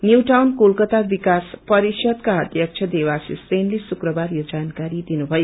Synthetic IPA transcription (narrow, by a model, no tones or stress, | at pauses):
njuwʈawnkulkʌt̪abikaspʌɾisjʌd̪kaʌd̪ʱjʌk̚t͡ʃʰʌd̪ewasisrenlesukrʌbaɾjod͡zankaɾid̪inubʱʌjo